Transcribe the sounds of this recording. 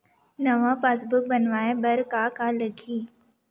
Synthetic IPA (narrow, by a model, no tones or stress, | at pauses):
nɐʋapaːsbʊk̚bɐnʋaːebɐɾkakalɐɡiː